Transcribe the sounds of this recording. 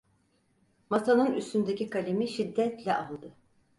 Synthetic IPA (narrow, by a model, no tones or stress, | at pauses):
mat̪ʰanɯnyst̪ynd̪ecikʰalʲemiʃid̪ːɛt̪lʲɛʔalˠd̪ɯ